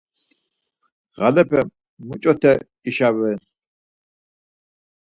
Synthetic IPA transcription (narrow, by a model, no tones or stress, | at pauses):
ʁalɛpʰɛm | mut͡ʃʼɔt̪ʰɛ | iʃawɛ